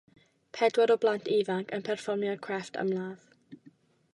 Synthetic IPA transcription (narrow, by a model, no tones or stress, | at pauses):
pʰɛdwaɾɔblantʰiːvaŋkʰənpʰɛrfɔrmjakʰɹ̥ɛftʰa̰mlaːð̥